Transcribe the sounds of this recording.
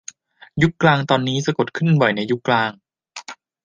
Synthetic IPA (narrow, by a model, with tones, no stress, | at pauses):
ju˦˥kklaː˧ŋt̪ɔː˧nːiː˦˥sa˧ko˨˩t̪̚kʰɯ˥˩nbɔ˨˩jna˧jːu˦˥kːlaː˧ŋ